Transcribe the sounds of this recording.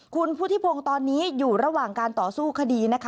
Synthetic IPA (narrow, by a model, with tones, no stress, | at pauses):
kʰu˧npʰu˦˥t̪ʰi˦˥pʰo˧ŋt̪ɔː˧nːiː˦˥juː˨˩ɾa˧waː˨˩ŋkaː˧nt̪ɔː˨˩suː˥˩kʰa˧diː˧na˦˥kʰa˦